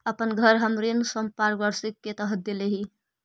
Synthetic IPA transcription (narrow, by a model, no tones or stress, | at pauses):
əpənɡʱəɾɦəmɾinsəmpaɾbəɾsikːet̪əɦəd̪eleɦi